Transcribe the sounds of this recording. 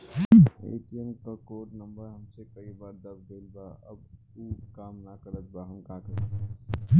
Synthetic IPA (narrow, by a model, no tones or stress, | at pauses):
ḛːʈiənkakoːʈnəmbəɾɦəmsekəibaːɾd̪əbd̪eːlbaə̰b | ukaːmnakəɾət̪̚baɦəmkaːkə